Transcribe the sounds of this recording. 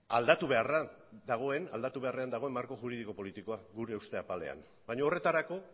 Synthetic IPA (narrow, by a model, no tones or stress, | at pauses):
ald̪at̪uβe̞arad̪aɣ̞o̞e̞na̰ld̪at̪uβe̞are̞and̪aɣ̞o̞emːaɾko̞ʝuɾið̞iko̞po̞lit̪iko̞aɡuɾe̞ust̪e̞apale̞̰a̰n | bajɲoːre̞t̪aɾako̞